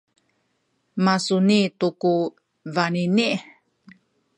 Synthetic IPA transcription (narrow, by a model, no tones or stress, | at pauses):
masunituku | vaniniʔ